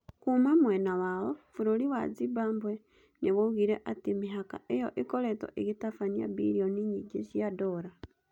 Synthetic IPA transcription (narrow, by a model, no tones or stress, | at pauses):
kumamwenawaβofuɾoliwa̰d͡zibaːmbwe | niβouɣiɾeʔatimiɦaka̰ʔejoʔikoleto̰ʔiɣitafania̰bḭɾioniɲiɟeʃijadoɾa